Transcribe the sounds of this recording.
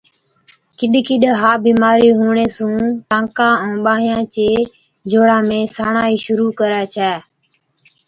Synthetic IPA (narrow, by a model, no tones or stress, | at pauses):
kɪɗkɪɗɦaːbiːmaːɾiːɦuːɳeːsũːʈ̪ãːkãːɛ̃ːɓaːɦjãːt͡ʃeː | d͡ʒʱoːɽãːmẽːsaːɳaːiːʃʊɾuːkəɾaːt͡ʃʰɛː